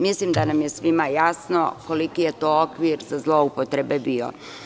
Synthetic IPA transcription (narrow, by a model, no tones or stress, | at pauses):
mislimd̪anamje̞sʋimajasno̞̰ko̞likije̞t̪o̞okʋiɾzazlo̞upot̪ɾe̞be̞bio̰